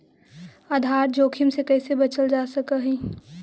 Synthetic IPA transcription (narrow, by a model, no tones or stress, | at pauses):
aːd̪ʱaːɾd͡ʒoːkʰɪmsekɛːsebɐt͡ʃəld͡ʒaːsəkəɦĩː